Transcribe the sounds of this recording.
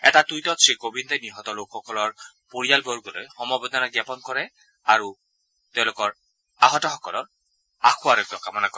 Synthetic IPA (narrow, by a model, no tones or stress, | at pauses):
ɛ̰tatujtɔtsikobintɛniɦɔtɔlokʰxɔkɔlɔɹ | poɹijalboɹɡolojxɔmɔbɔd̪ʱɔnaɡapɔnkɔɹɛ | aɹu | tɛʊ̃lʊkɔɹ | aɦɔtɔxɔkɔlɔɹ | axʰʊwaɹɛkjɔkamɔnakɔ